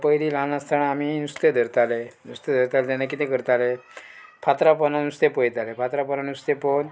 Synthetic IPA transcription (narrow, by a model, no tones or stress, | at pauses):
pəjlilanast̪ʰaɽ̃aminust̪ed̪ʱəɾt̪alenust̪ed̪ʱəɾt̪alet̪̬anːak̬it̪ẽkəɾt̪alepʰat̪ɾapənanust̪epəjt̪alepʰat̪ɾapənanust̪epən